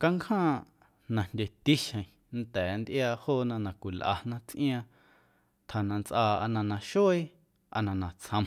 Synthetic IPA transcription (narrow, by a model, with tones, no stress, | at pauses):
ka˧ŋkʰhãː˦ | nã˧˨ndʲe˧t̪i˦ʃə̃˨ĩ˨ | n̩t̪ɛː˨˦nd̪ʔjaː˧hoː˦nã˧nã˨kʷi˨lʔa̰˧nã˦t͡sʔḭ̃˦ã˧ | t̪ʰa˨nã˧nt͡sʔaː˧a˧nã˧nã˨ʃoː˦i˦ | a̰˧nã˧nã˨t͡sʰə̃˧m